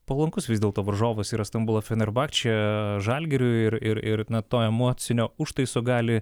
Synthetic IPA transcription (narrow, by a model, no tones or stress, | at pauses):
pɐlˠɐŋkʊsʋʲɪzd̪ʲeɛlˠt̪oːʋɐɾʒoːʋʊsiːɾɐst̪ɐmbʊlˠɐfʲɛnɛɾbɑːkt͡ʃʲɛʒɑlʲɡʲɛɾʲʊɪɾɪɾɪɾnɐt̪oːɛmoːt̪sʲɪnʲoːʊʃt̪ɐɪsoːɡɑːlʲɪ